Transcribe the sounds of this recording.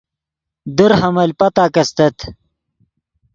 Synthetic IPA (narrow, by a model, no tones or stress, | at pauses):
d̪əɾhɐmɐlpɐt̪aːkɐst̪ɐt̪